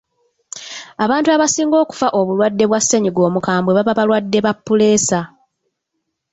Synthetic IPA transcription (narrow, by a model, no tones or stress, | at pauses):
aβaːntuaβasiːŋɡo̞ːku̥faʔo̞βulwadːe̞βwasːe̞ɲiɡo̞ːmukaːmbweβaβaβalwadːe̞βapːule̞ːsa